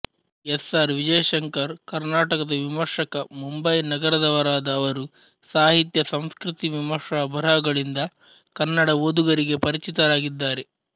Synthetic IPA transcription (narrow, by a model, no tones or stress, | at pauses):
esaːɾʋid͡ʒɐjɐʃɐŋkɐɾkɐɾnaːʈɐkɐd̪ɐʋimɐɾʂɐkɐmumbɐjnɐɡɐɾɐd̪ɐʋɐɾaːd̪ɐːʋɐɾu | saːɦit̪jɐsɐmskɾit̪iʋimɐɾʂaːbʱɐɾɐɡɐɭind̪ɐ | kɐnːɐɽɐʋoːd̪uɡɐɾiɡe̞pɐɾit͡ʃit̪ɐɾaːɡid̪ːaːɾe̞